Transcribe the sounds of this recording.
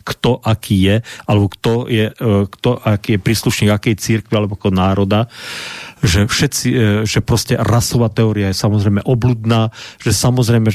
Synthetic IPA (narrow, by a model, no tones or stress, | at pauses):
kt̪ɔʔakʰiːjɛalɛbɔkt̪ɔjɛkt̪ɔʔakiːjɛpɾiːsluʃɲiːɡakɛːjɛt͡siɾkʋialɛbɔakɔnaːɾɔd̪a | ʒɛfʃɛt͡siʒɛpɾɔscɛɾasɔʋaːt̪ɛɔːɾiajɛsamɔzɾɛjmɛʔɔbluːd̪naːʒ̥ɛsamɔzɾɛjmɛ